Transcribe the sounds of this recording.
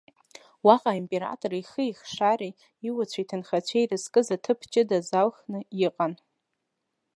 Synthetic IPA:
waqʼaimpʼeɾa̰tʼoriχəiχʂari | iwat͡ɕʷʰaitʰɨnχat͡ɕʷʰejrɨskʼɨzatʰɨpʰt͡ʃʼɪdazalχnɨiqʼan

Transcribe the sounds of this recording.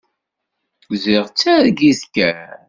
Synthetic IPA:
ziʁt͡sːæðɡizkæ

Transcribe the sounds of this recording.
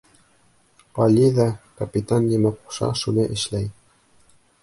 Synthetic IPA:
ɑlʲiðɑkɐpʲit̪anjɤmɑqu̥ʃɑ̰ʃunɤʔɘ̆ɕlæj

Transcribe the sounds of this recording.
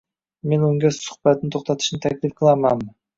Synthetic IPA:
me̞nwɵŋɡʲesʊ̥χpæt̪ːɪnt̪ʰo̞q̚t̪ɑt̪ʰʊ̥ʃɪnt̪ʰækʲlifqʰəlˠɑmɑn

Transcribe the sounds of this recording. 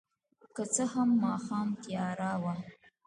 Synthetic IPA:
kət͡səɦamːɑːxɑmt̪jɑːɾawa

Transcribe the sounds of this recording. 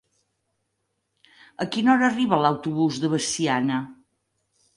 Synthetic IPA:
əkinɔɾəːriβələwt̪uβuzðəβəsianə

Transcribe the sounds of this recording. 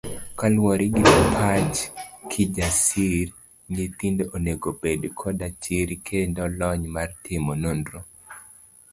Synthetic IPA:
kalwɔɾiɡipɔpʰad͡ʒkʰɪd͡ʒasiɾ | ɲet̪indoʔoneɡopedkʰɔdat͡ʃiɾkʰendɔlɔɲmartʰɪmonondro

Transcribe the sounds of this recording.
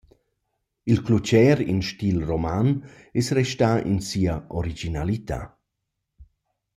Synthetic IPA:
ilklut͡ʃɛɾḭnʃtilroman | ɛsrɛʃtaʔḭnsiːəʔɔɾid͡ʒinalit̪a̰

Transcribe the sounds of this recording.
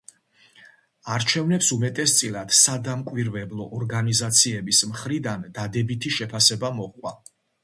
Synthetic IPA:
aɾt͡ʃʰɛvnɛpsumɛt̪ʼɛst̪sʼilˠad̪̥sad̪amkʼwiɾvɛblˠɔʔɔɾɡanizat̪sʰiɛbismχɾid̪and̪ad̪ɛbit̪ʰiʃɛpʰasɛbamɔχqʼwa̰

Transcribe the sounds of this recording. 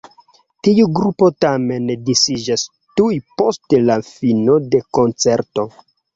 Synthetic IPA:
tiuɡɾupo̞tame̞ndisid͡ʒas | tujpo̞stelafino̞de̞ko̞nt͡se̞ɾto̞

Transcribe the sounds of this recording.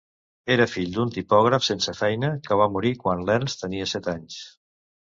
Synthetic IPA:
eɾəfiʎd̪unt̪ipɔɣ̞ɾəfsensəfɛjnəkəβ̞amuɾikwanlɛnst̪əniəsɛt̪aɲs

